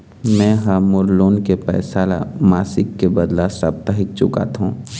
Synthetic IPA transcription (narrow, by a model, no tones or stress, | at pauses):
mɛ̃ːɦaːmʊɾloːnkepɛ̰ːsaːla̰maːsɪkːebɐd̪lasɐb̚t̪aɦɪk̚t͡ʃʊka̰t̪ɦũː